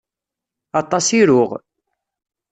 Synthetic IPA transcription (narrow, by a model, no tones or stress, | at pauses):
ɑt̪ˤːɑsiɾʊʁ